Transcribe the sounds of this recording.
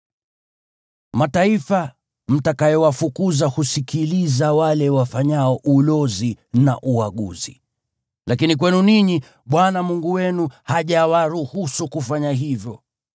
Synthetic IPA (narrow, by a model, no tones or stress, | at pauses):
mataifa | m̩takajɔwafukuzahusikʰilizawalɛwafaɲaɔʔulɔzina̰ʔuaɠṵzi | lakinik̬wɛnuniɲi | ɓwanamuŋɡuwɛnuhaʄawaɾuhusukufaɲaɦivjɔ